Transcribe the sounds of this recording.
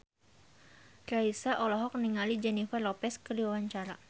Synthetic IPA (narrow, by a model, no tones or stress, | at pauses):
raisaʔɔlɔɦɔk̚niŋalid͡ʒɛnifarlɔpɛskədiwawaɲt͡ʃaɾa